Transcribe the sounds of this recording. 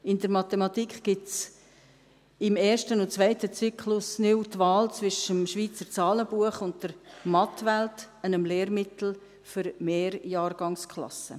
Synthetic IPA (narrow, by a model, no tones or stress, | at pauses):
ɪndəɾmɑt̪emɑt̪ikχɡ̥ɪts | ɪmeːɾʃtənʊntt͡svœɪtət͡sykʰlʊsnɪwtʋɑːlt͡svɪʃəmʃʋiːt͡səɾt͡sɑːləb̥uəχʊnt̚d̥əɾmɑtvɛlt | ənəmleːɾmɪtl̩ | fʏɾmeːɾjɑːɾɡ̥ɑŋskʰlɑ̰sə̰